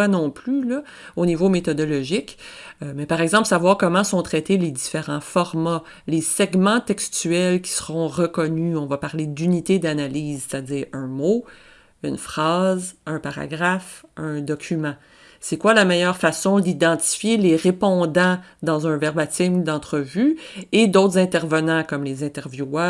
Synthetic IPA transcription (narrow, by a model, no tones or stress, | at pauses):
anɔ̃plylə | onivomet̪ɔd̪ɔlɔʒɪkømɛpaʁɛɡzɑ̃plsavwaːʁkɔmɑ̃sɔ̃t̪χɛt̪eled̪ifeʁɑ̃fɔʁma | lesɛɡmɑ̃t̪ɛkst̪yɛlkʲi̥səʁɔ̃ʁəkɔnyɔ̃vapaʁled̪ynit̪ed̪analiːzse̥t̪ad͡ziːʁœ̃mo | ynfχɑːzœ̃paʁa̰ɡʁafœ̃d̪ɔkʲymɑ̃ | sɛkwalamɛjœʁfasɔ̃d̪id̪ɑ̃t̪i̥fjeleʁepɔ̃d̪ɑ̃ | d̪ɑ̃zœ̃vɛʁbat̪ɪmd̪ɑ̃t̪χəvyed̪ot̪χzɛ̃t̪ɛʁvənɑ̃kɔmlezɛ̃t̪ɛʁvju